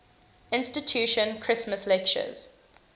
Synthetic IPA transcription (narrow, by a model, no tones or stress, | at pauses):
ɪ̃nstɪtʰjuːʃə̃nkʰɹ̥ɪsməslɛkt͡ʃə̰z̥